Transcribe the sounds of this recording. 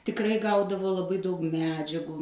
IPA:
tʲɪkˈrɐɪ ˈɡɐʊdɐʋoː lˠɐˈbɐɪ dɐʊk ˈmʲæːd͡ʒʲɛɡuː

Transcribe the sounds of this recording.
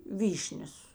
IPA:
ˈʋʲiːʃʲnʲɛs

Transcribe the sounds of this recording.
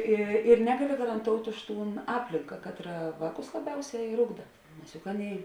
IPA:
ˈɪ ɪr ˈnʲæːɡɐˌlʲɪ ɡɐrɐnˈtoːʊtʲ ˈʊʃ ˈtuːn ˈɑːpʲlʲɪŋkɐ ˈkɑːtˌrɐ ˈʋɑːˌkʊs lˠɐˈbʲɛʊˌsʲæː ɪr ˈʊɡdɐ nʲɛs jʊk ˈɑːˌnʲeːɪ

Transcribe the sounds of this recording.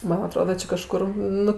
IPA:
ˈmɐn ɐˈtroːdɐ ˈt͡ʃʲɪ kɐˈʃkʊr ˈnʊ

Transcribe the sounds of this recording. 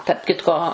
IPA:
tɐrp ˈkʲɪtkoː

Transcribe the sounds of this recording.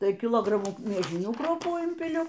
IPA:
ˈtɐɪ kʲɪˈlˠoːɡrɐmuː mʲiɛˈʒʲɪnʲuː ˈkruɔpuː ˈɪmʲpʲɪlʲʊ

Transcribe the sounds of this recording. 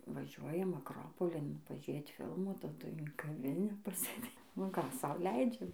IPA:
ʋɐˈʒʲuɔjɛm ɐkˈroːpoːlʲɪn pɐˈʒʲeːt ˈfʲɪlˠmuː tɐˈdʊɪ ɪn kɐˈʋʲɪnʲæː pɐsʲeːˈdʲeː nʊ ˈkɑː ˈsɐʊ ˈlʲɛɪd͡ʒʲɛm

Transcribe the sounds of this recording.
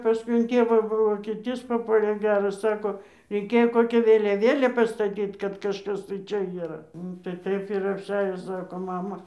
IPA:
pɐˈskʊɪ ɪn ˈtʲeːʋɑː ʋoːkʲeːˈtʲiːs pɐˈpuɔlʲeː ˈɡʲæːrɐs ˈsɑːkoː rʲɛɪˈkʲeːjoː ˈkoːkʲɛ ʋʲeːlʲɛˈʋʲeːlʲeː pɐstɐˈtʲiːt kɐt kɐʃˈkɐs tɐɪ ˈt͡ʃʲɛ iːˈrɐ ˈnʊ tɐɪ ˈtɐɪp ɪr ɐpʲˈsʲæːjoː ˈsɑːkoː ˈmɑːmɐ

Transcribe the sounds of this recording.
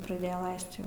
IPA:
prɐˈdʲeːjɛ ˈlˠɐɪst ˈjɛʊ

